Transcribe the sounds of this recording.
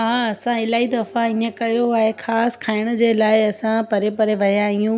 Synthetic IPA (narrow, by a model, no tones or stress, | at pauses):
ɦaːɐsãɪlaːid̪ɐfaɪnəkɐjoaːɦexaːskʰaːɪɽ̃ə̆d͡ʑeːlaːɪɐsãpɐɾepɐɾeʋɐjãɦijũː